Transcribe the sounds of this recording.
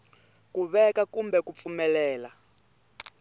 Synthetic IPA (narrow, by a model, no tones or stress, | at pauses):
kuβɛkakumbɛkup̪fumɛlɛːla